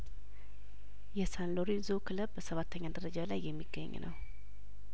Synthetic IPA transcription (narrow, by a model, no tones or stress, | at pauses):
jɛsanloɾizokʰɨləbbəsəβat̪ʰːəɲːad̪əɾəd͡ʒalajːɛmːiɡ̥ːə̰ɲːnə̰w